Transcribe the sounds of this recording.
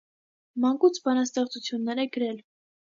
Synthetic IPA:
mɑŋkut͡sʰbɑnɑst̪ɛχt͡sut͡sʰjunːɛɾɛɡəɾɛl

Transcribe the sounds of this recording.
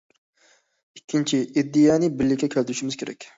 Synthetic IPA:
ikʲʰːint͡ʃʰiid̪ːijɛnɪbɪɾlːɪkʲːɛkʲʰælt̪ʰyʃimɪz̥kʲʰeɾɛ̰kʲ

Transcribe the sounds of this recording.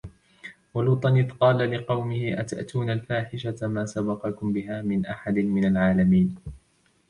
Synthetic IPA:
waluːt̪ˤɑnɪθqɑːlalɪqɑwmɪhɪʔat̪a̰ʔt̪uːnalfaːħɪʃamaːsabɑqɑkʊmbɪɦaːmɪnʔaħad̪ɪnmɪnalʕaːlamiːn

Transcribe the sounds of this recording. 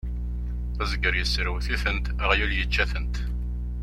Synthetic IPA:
θæzəɡəɾjəsːɾəwθiθənt̪æʁjuljət͡ʃːæθənt̪

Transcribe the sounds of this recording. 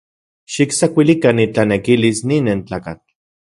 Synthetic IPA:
ʃiksakʷilikanit͡ɬanekilisninent͡ɬaːkat͡ɬ

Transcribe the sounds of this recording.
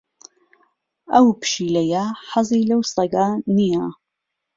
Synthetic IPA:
ɐwpʰɨ̥ʃiːlɐjaħɑzˤiːlɐwsɐɡaːnija

